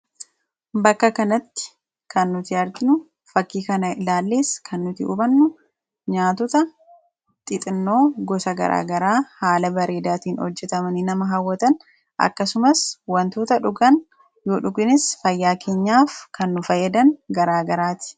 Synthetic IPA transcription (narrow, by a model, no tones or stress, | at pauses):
bɐkːɐkɐnɐt̪ːɪ̥ | kʰɐnːʊt̪ɪɐɾt̪ɪnʊ | fɐkːiːkɐnɐɪlaːlːe̞ːskʰɐnːʊt̪ɪʊ̰bɐnːʊ | ɲaːt̪ɔt̪ɐ | t̪ʼɪt̪ʼɪnːo̞ːɡɔsɐɡɐ̰ɾʔa̰ːɡɐɾaːhaːlɐbɐɾe̞ːd̪aːt̪iːnhɔ̰d͡ʒːɛt̪ɐmɐnɪnɐmɐɦɐwːɐt̪ɐn | ʔɐ̰kːɐsʊmɐswɐnt̪uːt̪ɐᶑʊɡɐn | joːᶑʊɡɪnɪsfɐjːaːkʰeːɲːaːfkɐnːʊfɐjːɐd̪ɐnɡɐɾaːɡɐɾaːt̪ɪ̥